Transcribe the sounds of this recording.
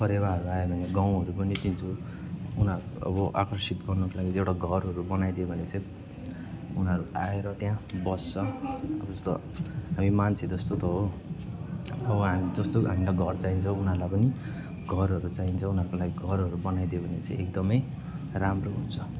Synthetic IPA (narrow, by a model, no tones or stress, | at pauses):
pʰʌɾebaɦʌɾuajebʱʌneɡaw̃ɦʌɾupʌnit̪int͡sʰo | unʌʌ̰bʌʔa̰kʌrsit̪ɡʌrnʌkolaɡiewʈaɡʱʌrɦʌɾubʌnajd̪iobʱʌnet͡sʌ̃ĩ | unɦʌɾuaeɾʌt̪jãbʌst͡sːʰʌʌbʌd͡zʌst̪o̰ | ɦamimant͡sʰed͡zʌst̪ot̪ʌɦo | ʌbʌɦamid͡zʌst̪oɦamilaɡʱʌrt͡saint͡sʰʌ̃unaɾlajpʌni | ɡʱʌrɦʌɾut͡saint͡sʰʌ̃unɦʌɾrkolaɡiɡʱʌrɦʌɾubʌnajd̪iobʱʌnet͡sʌ̃ĩek̚d̪ʌmʌj | ramroɦunt͡sʰʌ